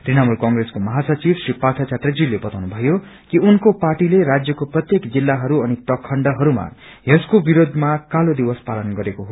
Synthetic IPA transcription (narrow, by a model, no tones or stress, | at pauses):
t̪rinamulkʌŋɡreskomʌɦasʌt͡sibsripat̪ʰat͡saʈ̪rʌd͡zilːebʌt̪awnubʱʌjo | kiunkoparʈileɾad͡zjʌkoprʌt̪jekd͡zilːaɦʌɾuʌniprʌkʰʌɳɖʌɦʌɾuma̰ɦeskobiɾod̪ʱmakalod̪iwʌspalʌnɡʌɾekoɦo